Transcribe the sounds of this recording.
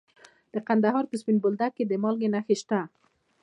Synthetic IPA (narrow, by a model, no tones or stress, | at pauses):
d̪̥əqand̪aɦɑɾpəspinbʊld̪akːed̪əmɑlɡenaxeʃt̪a